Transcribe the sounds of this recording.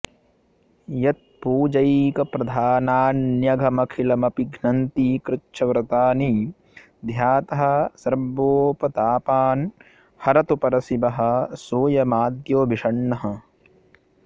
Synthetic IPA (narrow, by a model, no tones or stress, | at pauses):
jɐt̪̚puːd͡ʒɐjkɐpɾɐd̪ʱaːnaːnjɐɡʱɐmɐkʰilɐmɐpiɡʱnɐnt̪iːkɾɪt͡ʃːʃʰɐʋɾɐt̪aːni | d̪ʱjaːt̪ɐɦɐ̆sɐɾboːpɐt̪aːpaːn | hɐɾɐt̪upɐɾɐsibɐɦɐ̆soːjɐmaːd̪joːbʱiʂɐɳːɐɦɐ̆